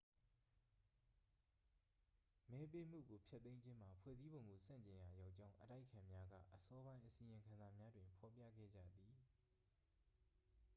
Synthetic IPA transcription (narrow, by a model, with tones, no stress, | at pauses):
mɛ˦pe˦m̥ṵ˦˨ɡo˨pʰjɛ˦t̪ːẽ˦ɪ̃ɲd͡ʑɪ̃˦m̥a˨pʰwɛ̰˦˨zi˦bõ˨ʊ̃ŋɡo˨sã̰˦˨ɲt͡ɕɪ̃˨ja˨ja˦ʊʔt͡ɕã˦ʊ̃ʔəta̰˦ɪʔkʰã˨mja˦ɡä̰˦˨ʔəsɔ˦bã˦ɪ̃ʔəsĩ˨jɪ̃˨ŋkʰã˨nza˨mja˦dwɪ̃˨mpʰɔ˨pjä̰˦˨ɡɛ̰˦˨d͡ʑä̰˦˨d̪i˨